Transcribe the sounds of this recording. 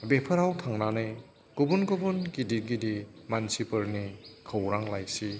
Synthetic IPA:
bepʰɯɾawtʰaŋnanɯj | ɡ̥ubunɡubunɡidiɾɡidimansipɯɾnikʰəwɾaŋlajsi

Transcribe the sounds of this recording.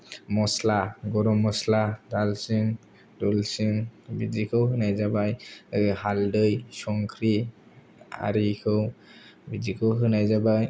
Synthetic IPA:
mɔslaɡɔɾɔmɔsladalsɯŋ | dɔlsiŋbid͡ʒikʰɯwɦɯnajzabajhaldɯjsɔŋkʰɾi | a̰ɾikʰɯwbid͡ʒikʰɯwɦɯnajzabaj

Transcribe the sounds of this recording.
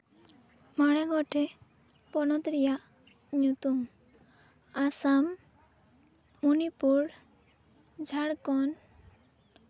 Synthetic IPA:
maɽɛɡɔʈʰe | pɔnɔt̪ɾija | ɲut̪um | asam | unipuɽ | d͡ʒʱaɽkɔn

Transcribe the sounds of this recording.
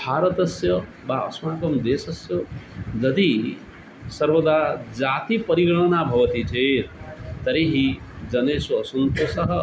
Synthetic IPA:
bʱaːɾʌt̪ʌsjʌ | baʌsmaːkʌmd̪eːsʌsjod͡zʌd̪i | sʌɾbod̪ad͡zaːt̪ipʌɾiɡɐɽ̃ʌnabʱʌʋʌt̪itʰeɾt̪ʌɾeɦi | d͡zʌneːsːsunt̪osʌɦʌ

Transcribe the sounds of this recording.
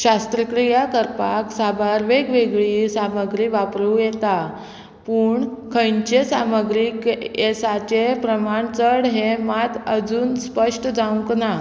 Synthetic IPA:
ɕast̪ɾəkɾijakəɾpaksabaɾʋeɡʋeɡɭisaməɡɾiʋapɾujet̪a | puːɳkʰəjɲt͡ɕesaməɡɾikesat͡ɕepɾəmaɳt͡səɽɦemat̪əd͡zuːnspəʂʈd͡zaũŋkna

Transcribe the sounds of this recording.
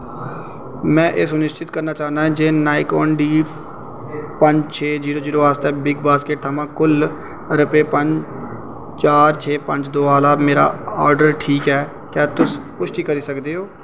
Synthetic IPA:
mɛ̃ːʔɪsʊnɪʃt͡ʃɪt̪kəɾnaːt͡ʃaːnaːɛ̃d͡ʒeːnaːikɔːnɖiː | pəɲd͡ʒt͡ʃʰeːziːɾoːziːɾoːaːst̪ɛ̃ːbɪɡbaːskeːʈ̚t̪ʰəmãːkʊl | ɾəpeːpəɲd͡ʒ | t͡ʃaːɾt͡ʃʰeːpə̃ɲd͡ʒd̪oːaːlaːbmeːɾa̰ːaːɾɖəɾʈʰiːkɛː | kaːt̪ʊspʊʃʈ̪iːkəɾiːsəkd̪eːɦoː

